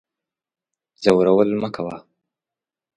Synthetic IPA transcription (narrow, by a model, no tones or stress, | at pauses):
z̥awɾawəlməkawa